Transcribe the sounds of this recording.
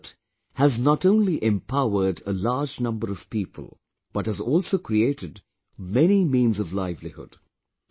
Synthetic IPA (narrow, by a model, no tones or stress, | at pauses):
t | hæznətõʊ̃nliʔɛ̃mpʰaʊə˞dəlaːd͡ʒnʌ̃mbəɾʌv̥piːpʰə̰l̩ˠ | b̥ʌt̚hɨzɔːlˠsoʊkʰɾieɪɾɨd | mɛñimĩːnzʌvlaɪvlihʊ̰d̥